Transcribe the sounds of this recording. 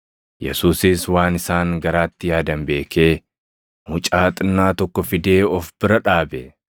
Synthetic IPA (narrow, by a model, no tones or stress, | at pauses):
jɛ̰suːsɪswaːnɪsaːŋɡɐɾaːt̪ːɪjaːd̪ɐmbe̞ːkʰe̞ː | mʊt͡ʃʼaːt̪ʼɪnːaːt̪ɔkːɔfɪd̪e̞ːɔfbɪɾɐᶑaːbɛ